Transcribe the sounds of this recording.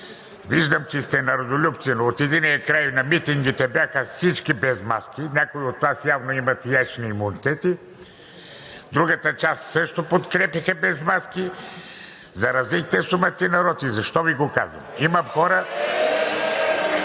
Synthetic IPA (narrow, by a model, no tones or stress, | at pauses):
viʒd̪ɐmt͡ʃɛst̪ɛnɐɾod̪olʲupt̪sinoːt̪ɛd̪iniɛkɾajnɐmit̪iŋɡit̪ɛbjaxəfsit͡ʃkibɛzmaskinʲjakoiot̪vasjavnoimɐt̪jat͡ʃniːmunit̪ɛt̪i | d̪ɾuɡɐt̪ɐt͡ʃast̪səʃt̪opot̪kɾɛpixɐbɛzmaski | zɐɾɐzlikt̪ɛsumət̪inɐɾɔt̪izɐʃt̪ɔviɡoka̰zvɐ̰mimɐmxɔɾɐ